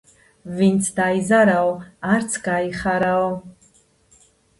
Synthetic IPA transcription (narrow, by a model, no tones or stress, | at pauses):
vint͡sʰdaːizaɾawart͡sʰɡaːiχaɾaw